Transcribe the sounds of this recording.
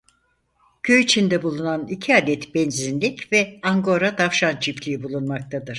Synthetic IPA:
kʰøjit͡ʃʰind̪ɛbulˠunanicʰiaːd̪ɛt̪bɛnzinlʲicvɛaŋɡo̞ɾat̪ʰafʃant͡ʃʰiflʲijibulˠunmak̚t̪ʰad̪ɯɾ̥

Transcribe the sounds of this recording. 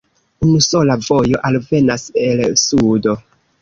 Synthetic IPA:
unuso̞lavo̞jo̞ʔalve̞nase̞lsudo̞

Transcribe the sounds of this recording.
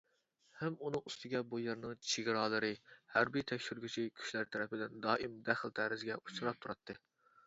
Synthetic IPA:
hæmunɨŋust̪ɪɡʲɛbujeɾnɨŋt͡ʃʰeɡʲɾɑːlˠɨɾɨhæɾbit̪ʰɛkʲʃyɾɡʲit͡ʃʰikʲʰy̥ʃlæɾt̪ʰɛɾɛpɪd̪ɪnd̪ɑːʔimd̪æχəlˠt̪ʰæɾɪzɡʲɛʔut͡ʃɨɾɑp̚t̪ʰuɾɑt̪ʰːɨ

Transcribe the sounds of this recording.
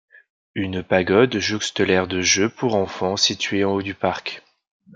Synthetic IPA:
ynpaɡɔd̪ʒost̪əlɛʁd̪əʒøpʰuʁɑ̃fɑ̃sit̪ɥeɑ̃od̪ypaʁk

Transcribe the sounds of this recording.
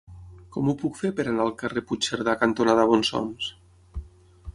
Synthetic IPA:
kɔmupukfepəɾanaːlˠkareput͡ʃeɾðakant̪onaðaβɔnsɔ̰ms

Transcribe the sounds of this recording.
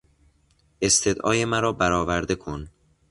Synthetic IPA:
e̞st̪ʰe̞d̪ʔɒ̰ːje̞mæɾɒːbæɾɒːvæɾd̪e̞kʰon

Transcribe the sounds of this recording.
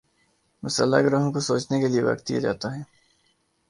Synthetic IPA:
mʊsəlːa̰ɡɾəɦõkosoːt͡ʃnekelieʋɐ̰kt̪ːḭja̰d͡ʒa̰ːt̪aɦɛː

